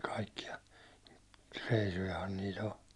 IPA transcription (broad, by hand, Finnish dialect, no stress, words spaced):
kɑikːiɑ reisujɑhɑn niːt o